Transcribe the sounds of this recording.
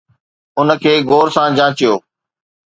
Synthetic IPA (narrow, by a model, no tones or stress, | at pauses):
ʊnəkʰeːɡoːɾsãd͡ʑãːt͡ɕijoː